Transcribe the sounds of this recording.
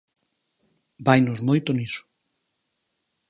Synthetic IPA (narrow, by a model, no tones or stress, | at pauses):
bajnozmojt̪oniso̥